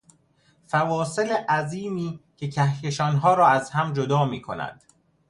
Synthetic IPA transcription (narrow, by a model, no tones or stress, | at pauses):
fævɒːseleʔæziːmiːcʰe̞cʰæhjeʃɒːnɦɒːɾɒːæzhæmd͡ʒod̪ɒːmiːkʰo̞̰næ̰nd̪̥